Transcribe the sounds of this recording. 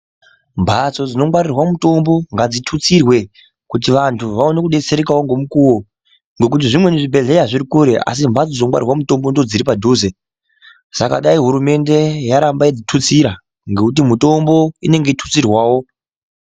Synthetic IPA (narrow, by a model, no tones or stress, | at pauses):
mbʱat͡so̞d͡zino̞kwarirwamuto̞mbo̞ŋɡad͡zitʰut͡sirwe̞ | kut̬iʋantʰuʋaonekuɗe̞t͡se̞ɾekawo̞ŋɡo̞mukuwo̞ | ŋɡe̞k̬ut̬iʐimwe̞neʐibʱe̞ɮe̞jaʐiɾikuɾe̞ʔa̰s̬imbʱat͡sod͡zinokwa̰rirwamuto̞mbo̞ndod͡ziɾipadʱuːze | saka̰ɗaiɦuɾume̞nde̞jaɾambaid͡zitʰut͡siɾa | ŋɡekut̬imuto̞mbo̞ine̞ŋɡe̞itʰu̥t͡sirwaːwo̞